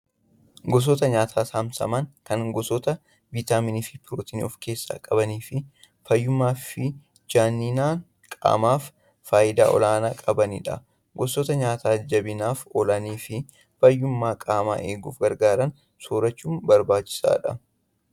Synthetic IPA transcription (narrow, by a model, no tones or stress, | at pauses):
ɡɔs̬ɔt̪ɐɲaːt̪ʰaːsaːmsɐ̰mɐŋkɐnɡɔsɔt̪ɐ | vit̪aːmɪniːfɪpɪɾoːt̪iːnḭɔfke̞ːsːa̰ːkʼɐbɐniːfɪ | fɐjːʊmːaːfɪ | d͡ʒaːnːiːnaːn | kʼa̰ːmaːfː | aːjɪd̪a̰ːʔɔ̰laːnaːkʼɐbɐniᶑɐ̰ | ɡɔsɔt̪ɐɲaːt̪aːd͡ʒɐbɪnaːfɔlɐniːfɪ | fɐjːʊmːaːkʼaːma̰ːʔe̞ːɡṵːfɡɐɾɡaːɾɐn | soːɾɐt͡ʃːuːmbɐɾbaːt͡ʃːɪ̥sa̰ːᶑɐ